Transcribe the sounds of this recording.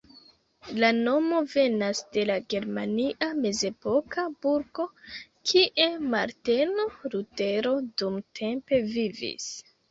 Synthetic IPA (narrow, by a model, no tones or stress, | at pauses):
lano̞mo̞ve̞nasde̞laɡe̞ɾmaniʔame̞ze̞po̞kʰabuɾɡo̞kʰiʔe̞maɾtenoɾute̞ɾo̞dumtʰe̞mpe̞vivḭs